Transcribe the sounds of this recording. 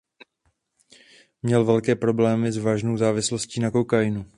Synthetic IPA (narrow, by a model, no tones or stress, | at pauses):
mɲɛlvɛlkɛːpɾo̞blɛːmɪzvaːʒno̞wzaːvɪslosciːnako̞wkajɪnu